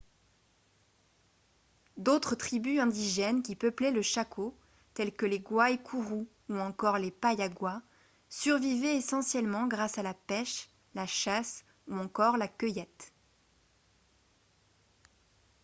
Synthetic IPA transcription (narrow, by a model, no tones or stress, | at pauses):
d̪ot̪χət̪χibyɛ̃d̪iʒɛnkʲipəplɛləʃakʰo | t̪ɛlkəleɡwaekʰuʁuː | ɑ̃kɔʁlepajaɡwa | syʁvivɛesɑ̃sjɛlmɑ̃ɡʁasalapɛʃ | laʃas | uɑ̃kɔʁlakʲəjɛt̪